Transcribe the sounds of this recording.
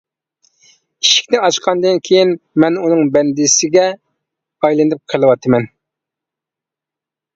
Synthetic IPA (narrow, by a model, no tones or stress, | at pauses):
i̥ʃi̥kʲnɪɑʃqʰɑnd̪ɨnkʲʰejinmɛnunɨŋbɛnd̪ɪsɪɡʲɛ | ɑjlˠɨnɨp̚qʰəlˠɨwɑt̪ʰɨmɛn